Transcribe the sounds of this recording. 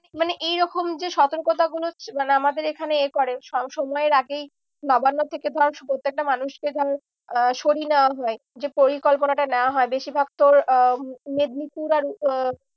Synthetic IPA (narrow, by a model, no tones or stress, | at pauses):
maneʔejɾɔkomd͡ʑeʃɔt̪oɾkot̪̬aɡulomaneamad̪eɾekʰaneekɔɾeʃɔʃɔmɔeɾaɡej | nɔbanːot̪ʰeked̪ʱɔɾʃpɾot̪ːek̚ʈamanuʃked̪ʱɔɾ | ʃoɽineoaɦɔe | d͡ʑepoɾikɔlponaʈanɛoaɦɔebeʃibʱak̚t̪oɾ | med̪nipuɾaɾ